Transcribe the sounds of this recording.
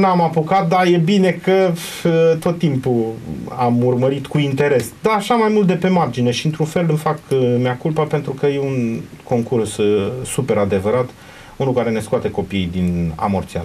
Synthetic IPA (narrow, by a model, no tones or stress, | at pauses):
namapokat̪̚d̪aje̞bine̞kə | t̪o̞t̪ːimpuamurməɾit̪kuint̪e̞ɾe̞sd̪aːʃamajmult̪̚d̪e̞pe̞mard͡ʒine̞ʃiɨnt̪ɾunfe̞lɨmfakmeakulpəpent̪ɾukəje̞unko̞ŋkurssupe̞ɾad̪e̞vəɾat̪ | unukaɾe̞ne̞skoat̪e̞ko̞pijd̪ina̰mort̪sia̰